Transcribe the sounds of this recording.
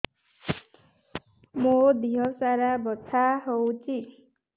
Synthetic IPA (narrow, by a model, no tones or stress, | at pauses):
mod̪iɦʌsaɾabʌt͡sʰaɦowt͡si